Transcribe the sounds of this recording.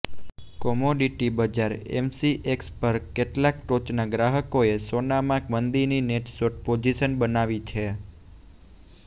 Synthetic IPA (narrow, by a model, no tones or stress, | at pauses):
kɔmoɖiʈibəd͡ʒaɾɛ̰msiʔekspəɾkeʈlak̚ʈot͡ʃnaɡɾaɦəkoesonamãkmənd̪inineʈsoʈ̚pod͡ʒiʃənbənaʋit͡ʃʰe